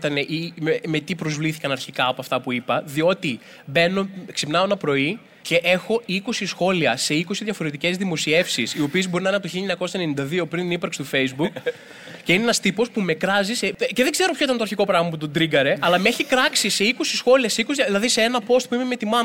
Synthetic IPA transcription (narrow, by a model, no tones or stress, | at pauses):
t̪ɐne̞ʔimeme̞t̪ipɾo̞zvliθikɐnɐɾçikɐɐpɐft̪ɐpuipɐðio̞t̪i | be̞no̞ksipnɐonɐpɾo̞i | ce̞ʔe̞xo̞iko̞sisxo̞liɐse̞iko̞siðʝɐfo̞ɾe̞t̪ice̞zðimo̞sie̞fsisio̞piezbo̞ɾinɐinɐt̪oçiʎɐɲɐko̞sɐene̞nind̪ɐðio̞pɾinnipɐɾksi̥t̪ufe̞jzbuk | ce̞ineenɐst̪ipo̞spume̞kɾɐzisece̞ðeɡze̞ɾopçoit̪ɐnt̪oɐɾçiko̞pɾɐɣmɐp̬ut̪o̞d̪ɾiɡɐɾe̞ɐlɐmeeçikɾɐksise̞iko̞sisxo̞liɐseikoiɐðilɐðiseenɐpo̞st̪̚puime̞me̞t̪imɐ